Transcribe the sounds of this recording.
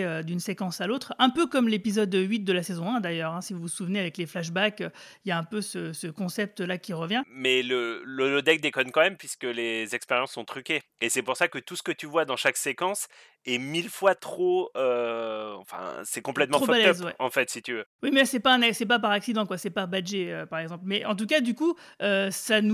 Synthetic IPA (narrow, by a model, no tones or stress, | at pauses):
ød̪ynsekɑ̃salot̪χɛ̃pøkɔmlepizɔd̪ɥit̪̚d̪əlasezɔ̃ɛ̃d̪ajœʁɛ̃sivuvusuvneavɛkleflaʃbakøijaɛ̃pøsəsəkɔ̃sɛp̚t̪lakʲiʁəvjɛ̃mɛləlolod̪ɛk̚d̪ekɔnkɑ̃mɛmpɥiskəlezɛkspeʁjɑ̃sːɔ̃t̪χykʲeesɛpuʁsakət̪usə̥kət̪yvwad̪ɑ̃ʃaksekɑ̃s | ɛmilfwat̪χoøɑ̰̃fɛ̰̃sɛkɔ̃plɛt̪mɑ̃χofɔalɛzwɛɑ̰̃fɛt̪sit̪yvøwimɛsɛpaɛ̃nasɛpapaʁaksid̪ɑ̃kwasɛpaʁbaʒeøpaʁɛɡzɑ̃plmɛʔɑ̃t̪ukad̪yku | øsanu